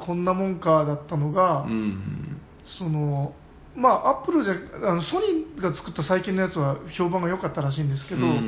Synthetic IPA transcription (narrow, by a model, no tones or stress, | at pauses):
kʰõ̞nːamõ̞ŋkad̪at̪ːano̞ɡa | so̞no̞ | maːʔapːɯ̟ɾɯ̟d̪eano̞so̞ɲ̟ʲĩɡat͡sɨ̥kɯ̟t̪ːasaikʲĩnːo̞jat͡sɨβaço̞ːbãɰ̃ɡajo̞kat̪ːaɾaɕ̬ĩːnd̪e̞s̬ɨ̥ke̞d̪o̞